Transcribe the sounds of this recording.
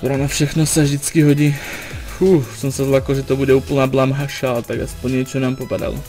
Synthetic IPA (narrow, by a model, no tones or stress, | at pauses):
t̪oɾanafʃɛxnosɛvʒdɪt͡skɪɦoɟifuːsɛmsɛzlakl̩ʒɛt̪obudɛuːpl̩naːblamɦaʃalt̪aɡaspoɲɲɛt͡ʃɛnaːmpopada̰lo̰